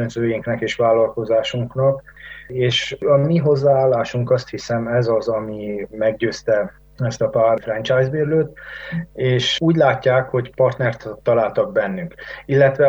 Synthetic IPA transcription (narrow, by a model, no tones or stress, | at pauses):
ønzøːjiŋknɛkeːʃʋaːlːɒlko̞zaːʃuŋknɒkeːʃɒmiɦo̞zːaːaːlːaːʃuŋkɒst̪hisɛmɛzɒzɒmimɛɡɟøːst̪ɛ | ɛst̪ɒpaːrfrɛnt͡ʃaːjzbeːɾløːt̪ | eːʃuːɟlaːcːaːkho̞ɟpɒrt̪nɛrt̪ːɒlaːlt̪ɒɡ̚bɛnːyŋkilːɛt̪ʋɛ